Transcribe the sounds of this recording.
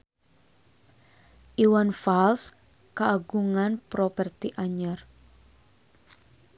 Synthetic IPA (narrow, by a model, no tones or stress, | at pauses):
ʔiwanfals | kaːɡuŋanpɾopərt̪iʔaɲər